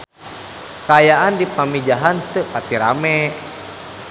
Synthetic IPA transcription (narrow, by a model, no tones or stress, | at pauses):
kaːjaʔandipamid͡ʒaɦant̪ɨpat̪iɾa̰mɛ